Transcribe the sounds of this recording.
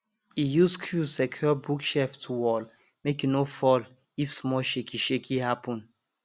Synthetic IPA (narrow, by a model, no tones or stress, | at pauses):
ijuskʰjusɛkʰɔbukʃɛftʰuwɔl | mekinofɔl | ifsmɔʃekʰiʃekʰihapɔ̃n